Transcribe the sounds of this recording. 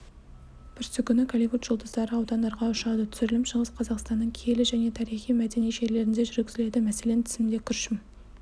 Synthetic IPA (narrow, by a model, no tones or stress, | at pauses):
pʰʏɾsʏkʲʰʏnɪkʰalivut̪ʒ̥ʊlˠd̪əzd̪ɑɾəɑwd̪ɑnd̪ɑɾʁɑʊʃɑd̪ət̪ʰʏ̥sʏɾɪlɪmʃəʁəsqʰɑzɑqst̪ɑnːəɴkʲʰe̞lɪʒæne̞t̪ʰɑɾijχijmæd̪e̞nijʒe̞ɾle̞ɾɪnd̪e̞ʒʏɾɡʲɪzɪle̞d̪ɪmæse̞le̞nt̪ʰɪ̥zɪmd̪e̞kʲʰʏɾʃɪm